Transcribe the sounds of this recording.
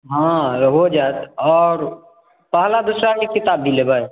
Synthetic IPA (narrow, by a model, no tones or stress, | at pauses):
ɦãɦod͡ʒat̪ɔːɾ | pəɦlad̪usɾakekɪt̪aːbʱːilebaj